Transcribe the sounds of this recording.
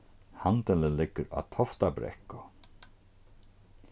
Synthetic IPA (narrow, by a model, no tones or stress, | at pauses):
hant̪ələlɪkːəɾa̰t̪ʰɔft̪abɾɛ̰hkʊ